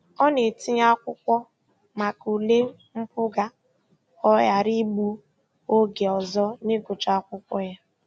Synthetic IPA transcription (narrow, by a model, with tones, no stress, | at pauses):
ɔ˦ne˨ti˦ɲa˦kʷʊ˦kʷɔ˦ | ma˨ku˨le˦ | m̩˦pʊ˦ɡa˦ | ɔ˦ja˨ɾi˦ɡ͡bu˦ | o˦ɡe˨ɔ˨zɔ˦ne˦ɡʊ˨t͡ʃa˦kʷʊ˦kʷɔ˦ja˦